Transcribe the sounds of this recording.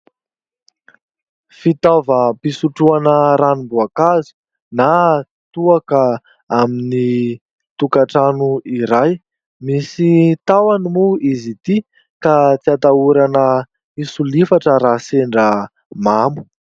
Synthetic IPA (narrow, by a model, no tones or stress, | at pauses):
fit̪avəpisuʈ͡ʂuanəɾanimbuakazu̥ | na | t̪uakə | amini | t̪ukaʈ͡ʂanuiɾaj | misit̪awanimuizit̪i | kat͡siat̪auɾanə | isulifaʈ͡ʂəɾaseɳɖ͡ʐə | mamu̥